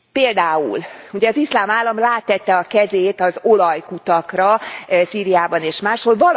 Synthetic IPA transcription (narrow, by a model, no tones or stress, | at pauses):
peːld̪aːṵluɟɛɒzislaːmaːlːɒmlaːt̪ːɛt̪ːɛɒkɛzeːt̪ɒzo̞lɒjkut̪ɒkrɒsiːɾijaːbɒneːʃmaːʃho̞lvɒl